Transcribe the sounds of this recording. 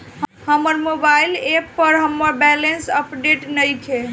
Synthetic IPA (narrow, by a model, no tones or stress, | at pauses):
həməɾmobajlepːəɾɦəmːəɾbɛlensəpɖeʈnəjkʰe